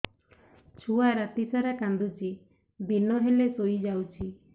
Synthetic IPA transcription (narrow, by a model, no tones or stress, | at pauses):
t͡ʃʰuaɾat̪isaɾakand̪ut͡ʃi | bʱinɔɦelesojd͡ʒawt͡ʃʰi